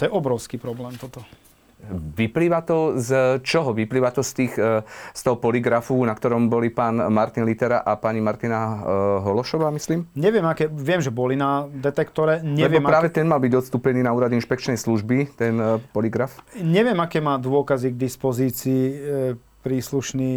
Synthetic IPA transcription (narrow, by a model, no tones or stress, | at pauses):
t̪ɔjɛʔɔbɾɔʊskiːpɾɔblɛːmt̪ɔt̪ɔ | ʋipliːʋat̪ɔzt͡ʃɔɦɔʋipliːʋat̪ɔst̪iːxst̪ɔɦɔpɔliɡɾafunakt̪ɔɾɔmbɔlipaːnmaɾt̪inlit̪ɛɾa̰ʔapaɲimaɾt̪inaɦɔlɔʃɔʋaːmisliːmɲɛʋɪɛmakɛːʋɪɛmʒɛbɔlinad̪ɛt̪ɛkt̪ɔɾɛɲɛlɛʋɪɔmɾaːʋɛt̪ɛnmalbiɟɔt̪st̪uːpɛniːnauːɾad̪inʃpɛk̚t͡ʃnɛjsluʒbit̪ɛnpɔliɡɾafɲɛʋɪɛmakɛːmaːd̪ʊɔkaziɡd̪ispɔziːt͡siː | pɾiːsluʃniː